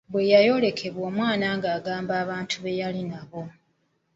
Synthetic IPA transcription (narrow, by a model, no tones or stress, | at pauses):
bwe̞jajo̞ːle̞kʰe̞βwo̞ːmwaːnaːŋɡaːɡaːmbaːβaːntʰuβe̞jalinaβo̞